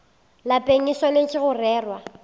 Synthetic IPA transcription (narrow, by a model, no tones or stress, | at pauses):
lapʼeŋ̩iswanekʼɪɣʊrɛːrwa